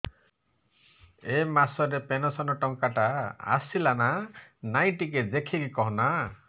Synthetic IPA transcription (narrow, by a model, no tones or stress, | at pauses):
emasɔɾepenɔsɔnɔʈɔŋkaʈaa̰silananaj̃ʈikedekʰikikɔɦɔna